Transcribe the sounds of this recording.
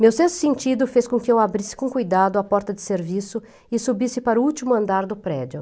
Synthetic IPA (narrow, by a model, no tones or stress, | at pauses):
mewsest̪ʊ̥sẽnt͡ʃid̪ʊfeskõkɪewabɾisɪ̥kõkujd̪ad̪ʊapɔɾt̪ɐd͡ʒ̪ɪseɾvisʊ | ɪsubisɪpaɾʊuwt͡ʃimʊɐ̃nd̪aɾd̪ʊpɾɛd͡ʒʊ